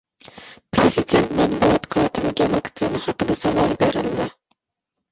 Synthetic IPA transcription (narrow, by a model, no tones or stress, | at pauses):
pɾezid̪ʲe̞nt̪mæt̪buɑt̪kʰɑːt̪ʰɨmɪɡʲɛvɑkt̪sɨnɨhɑqəd̪ɛsɑvɑɾˠbeɾɪld̪ɪ